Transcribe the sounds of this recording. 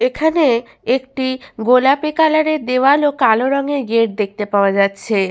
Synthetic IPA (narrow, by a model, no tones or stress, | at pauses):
ekʰane | ekʈiɡolapekalaɾed̪ewalokaloɾɔŋeɡeɾ̚d̪ek̚t̪epaoad͡ʑatːɕʰe